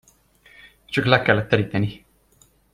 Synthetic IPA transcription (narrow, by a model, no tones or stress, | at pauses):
t͡ʃɒklɛkɛlːɛt̪ːɛɾiːt̪ɛni